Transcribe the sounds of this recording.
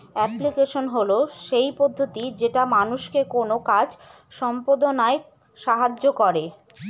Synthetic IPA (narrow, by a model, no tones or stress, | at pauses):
ɛplikeʃonɦoloʃejpod̪ʱːot̪id͡ʑeʈamanuʃkekonokad͡ʑ | ʃɔmpod̪onae | ʃaɦad͡ʑokɔɾe